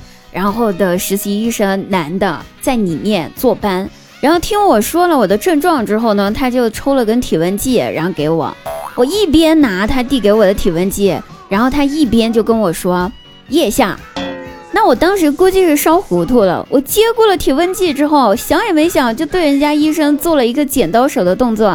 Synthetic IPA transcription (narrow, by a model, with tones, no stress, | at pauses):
ɻa˧˥nxo˥˩ʊd̪ə˩ʂɻ̩˧˥ɕi˧˥i˥˩ʂə˥˩ŋna˧˥nd̪ə̰˧t͡sa˥˩ɪni˨˩mjɛ˥˧nt͡swɔ˥˩pa˥n | ɻa˧˥nxo˥˩ʊt̪ʰi˥ŋwɔ˨˩ʂwɔ˥lə˨wɔ˨˩d̪ə˦ʈ͡ʂə˥˧ŋʈ͡ʂwɑ˥˩ŋʈ͡ʂɻ̩˥xo˥˩ʊnə˩t̪ʰa˥t͡ɕjo˥˩ʊʈ͡ʂʰo˥lə˨kə˥nt̪ʰi˨˩wə˥nt͡ɕi˥˩ɻa̰˧˥nxo˥˩ke˧˥ɪwɔ̰˨˩˦wɔ˨˩i˥˩pjɛ˥nna˧˥t̪ʰa˥t̪i˥˩ke˧˥ɪwɔ˨˩d̪ə˦t̪ʰi˨˩wə˥nt͡ɕi˥˩ɻa˧˥nxo˥˩ʊt̪ʰa˥i˥˩pjɛ˥nt͡ɕjo˥˩ʊkə˥nwɔ˨˩ʂwɔ˥ | jɛ˥˧ɕja˥˩ | na˥˩wɔ˨˩t̪ɑ˥ŋʂɻ̩˧˥ku˥t͡ɕi˥˧ʂɻ̩˥˧ʂɑ˥ʊxu˧˥t̪ʰu˥˩lə̰˩wʔɔ˨˩t͡ɕjɛ˥ku˥˩lə˩t̪ʰi˨˩wə˥nt͡ɕi˥˩ʈ͡ʂɻ̩˥xo˥˩ʊ˩ɕjɑ˧˥ŋjɛ˨˩me˧˥ɪɕjɑ˨˩ŋt͡ɕjo˥˧t̪we˥˩ɪə˧˥nt͡ɕja˥i˥ʂɤ˥ŋt͡swɔ˥˩lə˩i˧˥ɡə˧t͡ɕjɛ˨˩nt̪ɑ˥ʊʂo˨˩ʊd̪ə˦t̪ʊ˥˧ŋt͡swɔ˥˩